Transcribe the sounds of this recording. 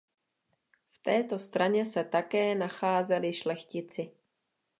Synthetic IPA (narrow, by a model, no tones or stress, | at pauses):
ft̪ɛːt̪o̞st̪ɾaɲɛsɛt̪akɛːnaxaːzɛlɪʃlɛxcɪt͡sɪ